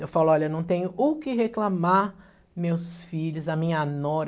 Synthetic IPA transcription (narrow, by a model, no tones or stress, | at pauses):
ewfalʊɔlɐenɐ̃w̃t̪ẽɲʊʔʊkɪɦeklamaɾ | mewsfiʎʊzɐmĩɲɐnɔɾ